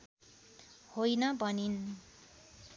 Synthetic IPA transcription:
hojnʌbʱʌnin

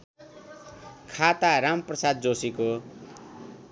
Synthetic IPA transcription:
kʰat̪aɾamprʌsad̪̚d͡zosiko

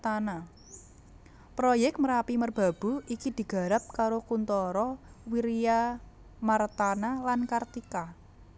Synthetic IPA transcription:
t̪ana | pɾojɛk̚t̪̚məɾapimərb̥a̤b̥ṳikid̪̥i̤ɡ̥a̤ɾap̚kaɾokunt̪ɔɾɔ | wiɾija | mart̪analankart̪ika

